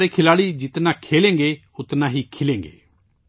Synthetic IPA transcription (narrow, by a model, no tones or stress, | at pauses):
ɾekʰɪlaːɽiːd͡ʒɪt̪naːkʰeːlẽːŋɡeː | ʊt̪nãːɦiːkʰɪlẽːŋɡḛː